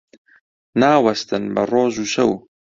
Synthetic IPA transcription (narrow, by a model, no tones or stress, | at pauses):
naːwɐst̪ɨnbɐ̰roːzuːʃɐ̰w